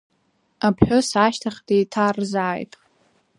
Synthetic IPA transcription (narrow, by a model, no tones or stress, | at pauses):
apʰħᶣosaːʃtʰaχʲdejtʰarzaːjtʼ